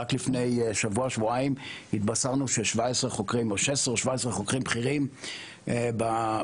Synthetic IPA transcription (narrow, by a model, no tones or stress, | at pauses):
aklifne̞jʃavuaʃvuaimhit̪̚basaʁnuʃeʃvaesʁeχo̞kʁimoʃesʁeʃvaesʁeχo̞kʁimbχiʁim | ba